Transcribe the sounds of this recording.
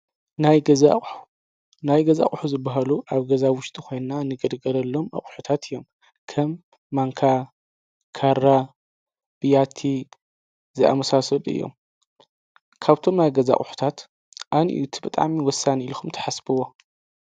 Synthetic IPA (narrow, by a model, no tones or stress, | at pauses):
najɡɐzaħu̥ | najɡɐza̰χʼħuzɨbːaɦaluʔaβɡɐzawʊʃt̪ʼixo̞jnnanɨɡɨd̪ɡɐlɐlːo̞ma̰χʼħut̪ʰat̪ʰɨjo̞m | kʰɐmː | aŋkʰa | kʰaɾa | b̥ɨjat̪ʰi | zɨʔa̰mɐsasɐlɨ̰jːo̞̰m | kʰaβt̪ʰo̞mnajɡɐza̰χʼħu̥t̪ʰat̪ | ʔanḭʔʔut̪ʰibɨt̪ʼa̰ʕmiwɔsːaniilkʰumt̪ʰɐ̥ħasbɨwo̞